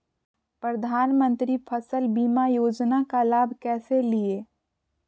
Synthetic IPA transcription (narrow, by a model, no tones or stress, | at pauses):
pɾəd̪ʱaːnmə̃nt̪ɾipʰəsəlbiːmajoːd͡ʒnakalaːbʱkɛːselieː